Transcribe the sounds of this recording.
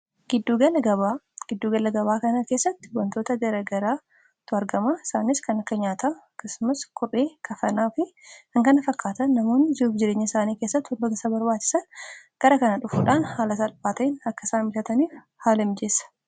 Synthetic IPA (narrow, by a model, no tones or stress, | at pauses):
ɡ̥ɪd̪ːuːɡɐlɐɡɐβa | ɡ̥ɪd̪ːuːɡɐlɐɡɐβaːkɐnɐke̞ːsːɐt̪ːɪ̥wɐnt̪o̞ːt̪ɐɡɐɾɐɡɐɾaː | t̪ːʊɐɾɡɐmaɪsaːnɪskɐnɐkːɐɲaːt̪ʰaːɐkːɐsʊmɐskʊre̞ːkʰɐfɐnaːfɪhɐŋkɐnɐfɐkːaːt̪ɐnːɐmo̞ːnɪd͡ʒɪɾuːbd͡ʒɪɾeːɲːɐɪsaːniːke̞ːsːɐt̪ːɪwɐlb̪oɡɐsɐbɐɾbaːt͡ʃːɪ̥sɐnɡ̥ɐɾɐkɐnɐᶑʊfuːᶑaːnhaːlɐsɐlbaːt̪ɐɪnɐkːɐsaːnmɪlɐt̪ɐniːf | haːlɐmd͡ʒeːsɐ̥